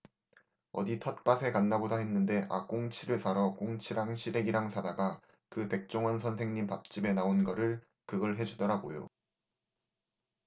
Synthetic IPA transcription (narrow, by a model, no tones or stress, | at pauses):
ʌ̰ditʰʌt̚p͈asʰe̞kanːabodaɦe̞nːɯnde̞ʔa̰k͈oŋt͡ɕʰiɾɯɭsʰaɾʌk͈oŋt͡ɕʰiɾaŋɕʰiɾe̞ɡiɾaŋsʰadaɡa | kɯpe̞k̚t͡ɕ͈oŋʌnsʰʌnsʰe̞ŋɲimpap̚t͡ɕ͈ime̞naonɡʌɾɯɭ | kɯɡʌɭɦe̞d͡ʑudʌɾaɡo̰jo̰